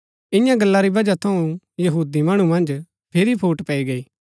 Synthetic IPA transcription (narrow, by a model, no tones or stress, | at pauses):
ɪ̃jãɡɐlːaɾibɐd͡ʒat̪ʰɐũ | jɐɦuːd̪imɐɽ̃ũmɐ̃nd͡ʒ | pʰɪɾipʰuːʈpɛiɡɐiː